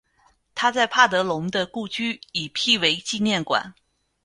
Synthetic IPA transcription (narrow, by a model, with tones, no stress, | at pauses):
t̪ʰa˥t͡sa˥˧ɪpʰa˥˩t̪ɤ˧˥lʊ˧˥ŋd̪ə˧ku˥˧t͡ɕy˥˩i˨˩pʰi˥˩we˧˥ɪt͡ɕi˥˧njɛ˥˩nkwa̰˨˩˦n